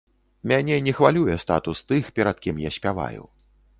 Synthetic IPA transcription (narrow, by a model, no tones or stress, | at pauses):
mʲanʲɛnʲɛxvalʲujɛst̪a̰t̪ust̪ɨxpʲɛɾat̪̚kʲimjasʲpʲava̰jṵ